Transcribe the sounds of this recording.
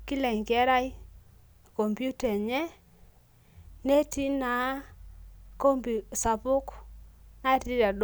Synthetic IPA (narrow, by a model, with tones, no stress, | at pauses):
kɪ˦lɛ˨ŋkɛ˦ɾa˦j | ko˨mpju˦tɛ˨ɲɛ˦ | ne˦ti˦na˨˦ | ko˦mpi˨sa˨pʊ˦kna˦˨ti˦ɾa˨d